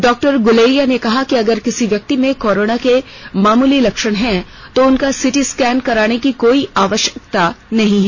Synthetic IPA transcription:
ɖɔːk̚ʈəɾɡʊleːijanekɐɦakiɐɡəɾkɪsiʋjɐk̚t̪imẽkɔːɾoːnake | maːmuːlilɐkʃəɽ̃ɦɛ | t̪oʊnkasɪʈiskɛːnkɐɾaːnekikoːiaːʋəʃjəkt̪anɐɦĩɦɛː

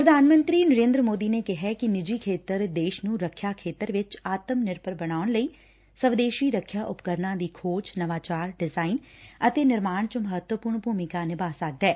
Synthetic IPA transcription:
pɾəd̪ʱaːnmə̃nt̪ɾiːnəɾẽːnd̪ɾəmoːd̪iːneːkɪɦɛːkɪnɪd͡ʒiːkʰeːt̪əɾd̪eːʃnũːɾəkʰːjaːkʰeːt̪əɾʋɪt͡ʃaːt̪əmnɪɾpəɾbəñaːʊnləiː | səʋd̪eːʃiːɾəkʰːjaːʔʊpkəɾnãːd̪iːkʰoːt͡ʃnəʋaːt͡ʃaːɾɖɪzaːinət̪eːnɪɾmaːɳt͡ʃməɦət̪wəpʊːɾɳbʱuːmɪkaːnɪbaːsək̚d̪ɛː

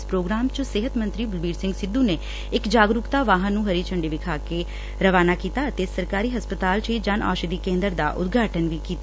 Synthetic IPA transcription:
spɾoːɡɾaːmt͡ʃsɪɦət̪mə̃nt̪ɾiːbəlbiːɾsɪ̃ŋɡsɪd̪ũːne | ɪkd͡ʒaːɡɾʊkt̪aːʋaːɦə̃nːũːɦəɾiːt͡ʃʰəɳɖiːʋɪkʰaːke | ɾəʋaːnaːkiːt̪aːət̪esəɾkaːɾiːɦəspət̪aːlt͡ʃiːd͡ʒəna̰ːʃd̪iːkẽːnd̪əɾd̪a̰ːʔʊ̰d̪ɡʱaːʈənʋiːkiːt̪

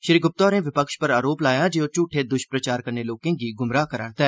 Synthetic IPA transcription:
ʃɾiːɡʊp̚t̪ɔːɾẽːʋɪpəkʃpəɾaːɾoːplaːjãːd͡ʒeot͡ʃuːʈʰːed̪ʊʃpɾət͡ʃaːɾkəɾneloːkẽːɡiːɡʊmɾaːkəɾa̰ːɳt̪ɛː

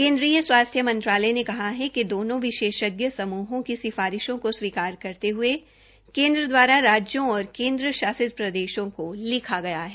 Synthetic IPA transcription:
kẽːnd̪ɾijəswaːst̪ʰjəmɐ̃nt̪ɾaːlɛnekɐɦaɦɛked̪oːnõʋɪʃeːʃəɡjəsɐmuːɦõkisɪfaːɾɪʃõkoswiːkaːɾkɐɾt̪eɦʊe | kẽːnd̪ɾəd̪waːɾaɾaːd͡ʒjõɔːɾkẽːnd̪ɾəʃaːsɪd̪̚pɾɐd̪eːʃõkolɪkʰaɡɐjaɦɛː

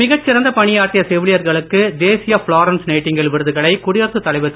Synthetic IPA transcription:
mɪɣɐt͡ʃːɪɾɐnd̪ɐpɐɳɪjaːɾt̪ːɪjɐsɛʋɪɭɪjɐɾɣɐɭɯkːɯd̪eːsɪjɐfɭaːɾɐnsnɐɪʈːɪŋɡɪɭʋɪɾɯðɯɣɐɭɐɪkʊɽɪjɐɾt̪ːɯt̪ːɐlɐɪʋɐt̪ː

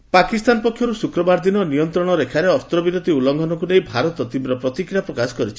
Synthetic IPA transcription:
pakist̪anɔpɔkʰjɔɾusukɾɔbaɾd̪inɔnijɔnt̪ɾɔɽ̃ɔɾekʰaɾeɔst̪ɾɔbiɾot̪iulɔŋɡʱɔnɔkunejbʱaɾɔt̪ɔt̪imbɾɔpɾɔt̪ikɾjapɾɔkasɔ̥kɔɾit͡ʃʰi̥

